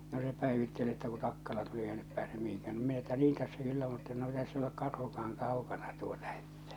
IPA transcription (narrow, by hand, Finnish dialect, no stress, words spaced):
no se pæˑeʋitːel etːæ ku tɑkːɑlɑ tuli eikæ nyp pæːsem mihiŋkæːn no minæ etːæ niːn tæsːæ kylːæ mutːɑ no ei tæsː olek kɑrhukɑɑŋ kɑˑukɑnɑ tuotɑ e̥tːæ̥